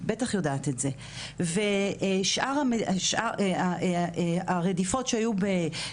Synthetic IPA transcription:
betaχjo̞daːt̪etze̞ | veʃʔaʁameʃʔaa | aʁedifo̞tʃeajube

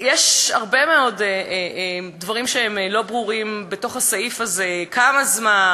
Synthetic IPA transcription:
jeʃhaʁbe̞meo̞d | dvaʁimʃeemlo̞bʁuʁimbeto̞χhasaifazekamazman

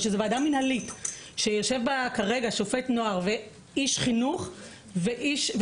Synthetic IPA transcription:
ʃezevadamːinhalitʃejoʃe̞vbakaʁe̞ɡaʃofe̞tno̞aʁve | iʃχinuχ | veʔiʃv

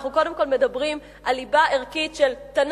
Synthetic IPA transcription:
χnuko̞demko̞lme̞dabʁim | ʔalibaʔeʁkitʃelt̪an

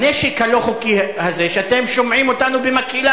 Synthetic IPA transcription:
neʃikhaloχukihaze̞ʃeat̪e̞mʃo̞mʕimo̞tanubemakila

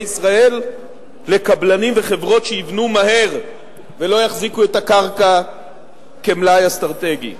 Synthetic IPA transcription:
isʁae̞lː | e̞kablanimveχe̞vʁo̞tʃejivnumahe̞ʁ | velo̞jaχzikuet̪akaʁka | ke̞mlajast̪ʁaʁt̪e̞ɡḭ

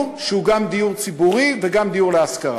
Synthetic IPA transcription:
ʁʃehuɡamd̪ijuʁt͡sibuʁiveɡamd̪ijuʁleaskaʁ

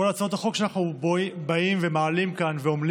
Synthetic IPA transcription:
olat͡sao̞t̪aχo̞kʃanaχnubaimvemaːlimkanveoml

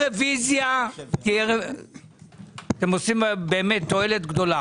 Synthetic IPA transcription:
ʁevizjakiʁe | at̪emo̞simbe̞ːmet̪ːo̞e̞le̞tɡdo̞la

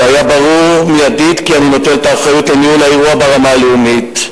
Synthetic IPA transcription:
ajabaʁuʁmijadid̪kianino̞t̪eltaːχajutlenihulaeʁuabaʁamaleumit

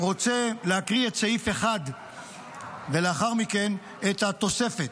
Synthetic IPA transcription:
ʁo̞t͡se̞leakʁietseife̞χad̪ | vele̞aχaʁmike̞n | et̪hat̪o̞se̞fe̞t̪

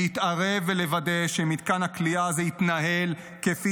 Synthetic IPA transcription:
it̪aʁe̞vele̞vade̞ʃemid̪kanhakliazeit̪naɦe̞l | kefi

